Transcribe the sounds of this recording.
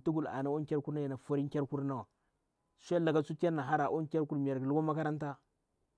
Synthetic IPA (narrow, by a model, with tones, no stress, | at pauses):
tu˦ɡu˨la̰˨na˦o˦ŋ˦kʲa˦ɾku˦ɾna˦ja˨na˨fa˦ɾi˦kʲa˦ɾku˦ɾna˦˨wa˨ | sʷa˦la˨ɡa˦t͡su˦ti˦a˦nːa˨ɦa˦ɾa˨ʔo˦n˦kʲa˦ɾku˦ɾmi˨ja˨ɾɡi˨lu˦ɡa˦ma˦ka˦ɾa˦nta˦